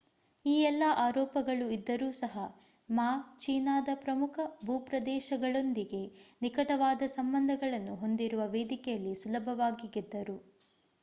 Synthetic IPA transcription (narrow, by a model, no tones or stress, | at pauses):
iːɛlːɐʔaːɾɔːpɐɡɐɭuid̪ːɐɾuːsɐɦɐ | maːt͡ʃiːnaːd̪ɐpɾɐmukʰɐbʱuːpɾɐd̪ɛːʃɐɡɐɭo̞nd̪iɡe̞nikɐʈɐʋaːd̪ɐsɐmbɐnd̪ʱɐɡɐɭɐnːuɦo̞nd̪iɾuʋɐʋeːd̪ikɛjɐlːisulɐbʱɐʋaːɡiɡid̪ːɐɾu